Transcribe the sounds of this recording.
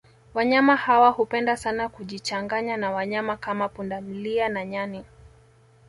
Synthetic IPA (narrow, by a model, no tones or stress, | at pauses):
waɲamahawahupɛndasanakuʄit͡ʃaŋɡaɲanawaɲamakamapundam̩lianaɲani